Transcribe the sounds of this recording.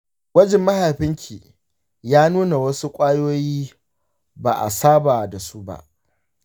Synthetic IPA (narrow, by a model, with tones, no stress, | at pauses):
wɐ˦d͡ʒɪ˨mːɐ˦ha˨ɸɪ˦ŋkʲʰiː˨ | jaː˦nuː˦na˨wɐ˦su˦kʷʼaː˦joː˦jiː˦ | ba̰ː˨ʔa̰˨saː˦baː˨da˨su˦ba̰˦ʔ